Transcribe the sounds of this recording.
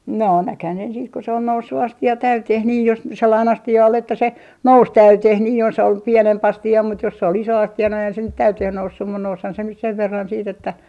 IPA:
noː nækhæn sen siːt ko sĕ ol nousːu ɑstiɑ tæyteh niː jos selːɑin ɑstiɑ ol etːæ se nous tæyteh niː jos ol pienemp ɑstiɑ mut jos sĕ ol iso ɑstiɑ no eihæn se tæyteh nousːum mun noushɑn se nyt seʋ ʋerːɑn siːt etːæ

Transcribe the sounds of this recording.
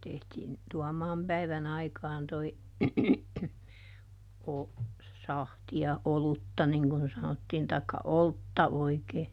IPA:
tehtiːn tuɔmɑːm pæiʋæn ɑikɑːn toi o sɑhtiɑ olutːɑ niŋ kun sɑnotːiːn tɑikːɑ oltːɑ oikeː

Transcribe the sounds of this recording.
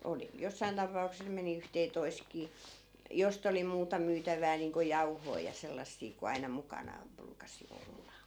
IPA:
oli josːɑin tɑpɑukses meni yhteːtoi̯st̆kiː jost oli muːtɑ myːtæʋˑæː niːŋko jɑu̞hoi jɑ selːɑsːiː ku ɑinɑ mukɑnɑːm̆ bruːkɑsi olːɑ

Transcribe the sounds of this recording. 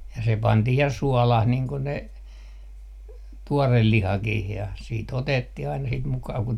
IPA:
jɑ se pɑntih jɑ suɔlɑh niːŋ ko ne tuorel lihɑkih jɑ siːt otetːih ɑinɑ sit mukɑː ku

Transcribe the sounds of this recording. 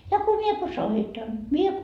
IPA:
jɑ ko mie ko soitɑn mie

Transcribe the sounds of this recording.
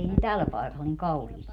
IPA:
ei ne tæl pɑekɑl niŋ kɑuhiːsti

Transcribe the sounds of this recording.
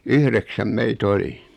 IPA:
yhreksæm meit oli

